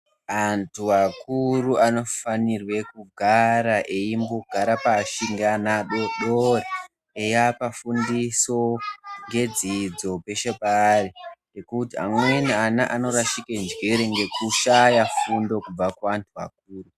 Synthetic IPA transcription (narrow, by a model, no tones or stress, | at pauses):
antʰuʋakuruano̞fanirwe̞kuɡʱaɾaʔe̞jimboɡ̥ʱaɾapaʃiŋɡanaɗoɗore | ejapafundiso̞ŋɡe̞d͡zid͡zo̞pe̞ʃepaːrinekutia̰mwenianaʔano̞ɾaʃikend͡ʒɡiɾeŋɡe̞kuʃajafundo̞kub͡vakuantʰuʋa̰k̚uːru